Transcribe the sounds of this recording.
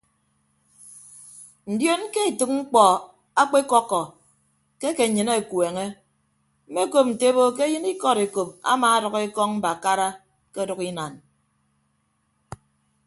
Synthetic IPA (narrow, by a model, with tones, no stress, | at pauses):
n̩˨djo˦n̩˦ke˦e˨tɨ˨k̚ŋ͡m̩˦k͡pɔ˨ | a˦k͡pe˦kɔ˦kːɔ˨ | ke˦ke˨ɲɨ˨ne˦˨kwe˨ŋe˦ | m̩˦me˦ko˦p̚n̩˨te˦bo˦k̬e˦jɨ˦ni˦kɔ˦ɾe˨ko˨p̚a̰˦maː˨a˦dɨ˨ɣe˦kɔ˦ŋm̩˦ba˨ka˦ɾa˦ | ke˦dɔ˨ki˦na˨n